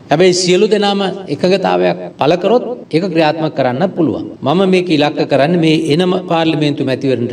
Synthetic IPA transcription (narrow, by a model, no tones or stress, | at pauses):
hɛbɐjsiəlud̪enaːməekəŋɡət̪a̰ːʋɐjak̚paləkəɾot̪̚ekəkɾijaːt̪məkːəɾanːɐpulṵʋa̰ŋmaməmeːkilakːəkəɾanːəmeːʔenəməpaːɾlɐment̪umɛt̪iʋəɾənɾ